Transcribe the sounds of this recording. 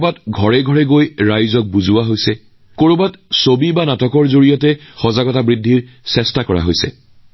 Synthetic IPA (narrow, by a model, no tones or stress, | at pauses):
batɡʱɔɹɛɡʱɔɹɛɡojɹajzɔk̚buzuwaɦojsɛ | koɹobatsobibanatɔkɔɹzoɹijɔtɛxɔzaɡɔtabɹidʱːiɹ | sɛstakɔɹa̰ɦojsɛ̰